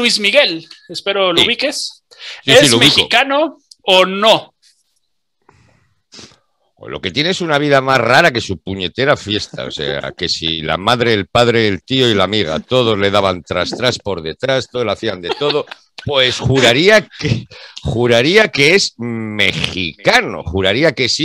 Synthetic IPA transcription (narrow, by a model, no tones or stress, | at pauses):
lwizmiɣe̞lespeɾolouβikes | siesilouβmixkiokanoː | no | lʔo̞̰ke̞t̪je̞neesunaβ̞iðamazraɾake̞supuɲe̞t̪e̞ɾafje̞st̪a̰o̰se̞̰a̰ke̞sḭla̰maðɾe̞ːlpaðɾe̞elt̪ioilamiɣ̞a̰t̪o̞ð̞o̞zle̞ðaβant̪ɾast̪ɾaspo̞ɾðe̞t̪ɾast̪olaθiand̪e̞t̪o̞ðo̞ | pwe̞sxuɾaɾiakexuɾaɾiake̞esme̞xḭkano̞̰xuɾaɾiake̞si